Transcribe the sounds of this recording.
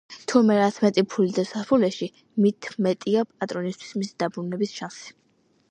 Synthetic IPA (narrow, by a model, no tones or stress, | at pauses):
t̪ʰumɛɾat̪sʰmɛt̪ʼipʰulid̪asaspʰulɛʃi | mit̪ʰmɛt̪ʼiapʼat̪ʼɾɔnist̪ʰwi̥smisid̪̥abɾunɛbisʃansi̥